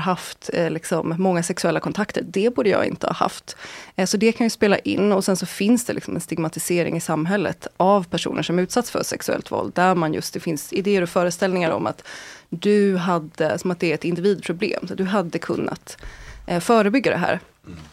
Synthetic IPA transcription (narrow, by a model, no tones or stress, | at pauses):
ɦaft̪lɪksɔmːɔŋːasɛksɵɛlːakʰɔnt̪ʰakt̪əɾd̪ɛbuːɖəjɑ̰ːɪ̰nt̪əhɑ̰ːha̰ft̪sɔd̪ɛkʰanjɵspeːla̰ʔɪnːɔsɛnsɔfɪnsd̪ɛlɪksɔmɛ̰nst̪ɪɡmat̪ɪseːɾɪ̰ŋɪsamːɦɛlːə̰t̪ʔavpʰæʂṵːnʔəʂɔmʉ̟ːt̪sat̪sfœ̰ʂɛksɵɛ̰lt̪vɔ̰ld̪ːæɾmanjɵ̰st̪d̪ɛfɪnsɪd̪eːəɾɔfœːɾəst̪ɛlnɪŋaɾɔ̰mʔa̰t̪d̪ɵɦad̪ːəsɔmat̪̚d̪ɛæɾɛt̪ɪnd̪ɪviːd̪̚pʰɾʊblḛːmsɔd̪ɵɦad̪ːəkʰɵ̰nːa̰t̪ | fœːɾəbʏɡːad̪ɛɦæ̰ːɾ